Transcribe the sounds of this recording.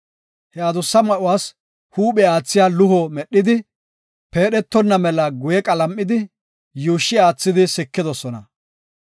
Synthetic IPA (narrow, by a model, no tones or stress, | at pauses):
hɛɐd̪ʊsːɐmɐʔʊwaːs | huːɓɛaːt͡sːɪjaːlʊhɔmɛɗːɪd̪ɪ | pe̞ːɗɛt̪ːɔnːɐmɛlɐɡʊjɛkʼɐlɐmːɪd̪ɪ | juːʃːɪaːt͡sːɪd̪ɪsɪkːɪd̪ɔsɔnɐ̰